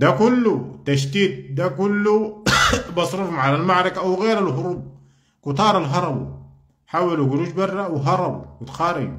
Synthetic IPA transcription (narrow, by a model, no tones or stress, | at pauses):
d̪akulːut̪aʃd̪iːt̪̚d̪akulːu | bɑsˤɾuːfmaʕalalmaʕɾˤɑkaʔwɣeːɾalɦʊɾuːb̚ | kʊt̪ˤɑːɾˤalɦɑɾˤɑbṵ | ħaːwaluɡɾuːd͡ʒbɑrˤːɑwɪɦɑɾˤɑbwɪt̪xaːɾɪd͡ʒ